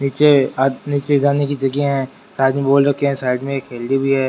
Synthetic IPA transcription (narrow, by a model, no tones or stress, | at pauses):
niːt͡ʃeniːt͡ʃeɪd͡ʒaːnekid͡ʒɐɡeɦɛ̃ | saːɪd̪mẽboːlɾɐkiɦɛ̃saːɪd̪mẽkʰeːld̪ibʱiɦɛː